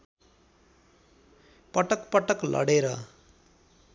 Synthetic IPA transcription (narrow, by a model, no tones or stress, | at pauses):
pʌʈʌkpʌʈʌklʔʌ̰ɽeɾʌ